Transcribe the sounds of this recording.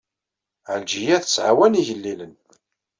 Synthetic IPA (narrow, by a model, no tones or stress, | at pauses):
ʕəld͡ʒijæθə̥sʕa̰wæniʝəlːilən